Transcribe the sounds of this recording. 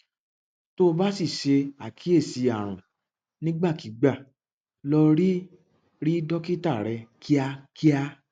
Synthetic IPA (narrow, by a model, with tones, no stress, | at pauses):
to˦o˧ba˦si˦˨ʃe˧a˨kʰi˨˦e˦˨si˧˦a˨ɾ̃ṵ̃˨ | nĩ˦ɡ͡ba˦˨ki˨˦ɡ͡ba˦˨ | lɔ˧ɾi˦ | ɾi˦dɔ˦ki˦ta˦˨ɾɛ˧ki˦a˧ki˦a˧